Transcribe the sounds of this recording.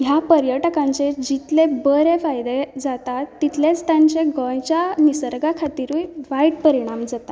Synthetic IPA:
ɦjapəɾjəʈəkãɲt͡sed͡ʑit̪lebəɾefajd̪ed͡zat̪at̪ːit̪let͡st̪aɲt͡ɕeɡə̃jt͡ɕjanisəɾɡakʰat̪iːɾũjʋajɖpəɾiɽ̃amd͡zat̪a

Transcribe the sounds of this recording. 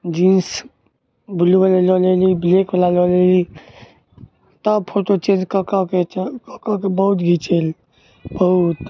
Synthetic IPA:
d͡ʒins | bʱulubəleloleliblekbəlaloleli | t̪əbpʰoʈot͡ʃed͡ʒkəkakekɔkakebəɦut̪ɡʱit͡ʃel | bəɦut̪

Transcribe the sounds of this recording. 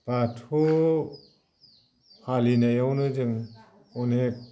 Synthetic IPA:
b̥atʰo | halinajawnɯd͡ʒɯŋ | ɔnek̚

